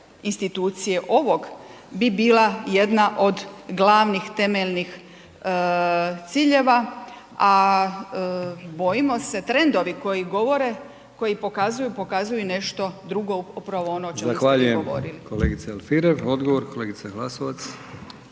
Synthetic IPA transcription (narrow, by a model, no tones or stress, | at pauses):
inst̪it̪uːt̪sije̞ʔo̞ʋo̞ɡ | bibiːlˠaje̞d̪naʔo̞d̪ɡlaːʋnixt̪e̞meʎnix | t̪siːʎe̞ʋa | a | bo̞jimo̞se̞t̪ɾe̞nd̪o̞ʋiko̞jiɡo̞ʋo̞ɾe | ko̞jipo̞kazujupo̞kazujune̞ʃt̪o̞d̪ɾuɡo̞upɾaʋoonoot͡ʃzamxsʋaʎujeɡomo̰ɾiliko̞lḛːɡit̪sealfiɾeʋo̞d̪ɡoʋoɾko̞leːɡit̪saɡlˠasoʋat̪s